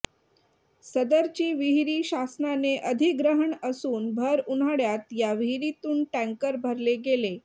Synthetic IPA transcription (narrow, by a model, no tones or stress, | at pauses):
səd̪əɾt͡ɕiːʋiɦɾiːɕasnaneʔəd̪ʱiɡɾəɦəɳəsuːnbʱəɾuɽ̤aɽjat̪jaʋiɦiɾit̪uːɳʈæ̃ŋkəɾbʱəɾleɡele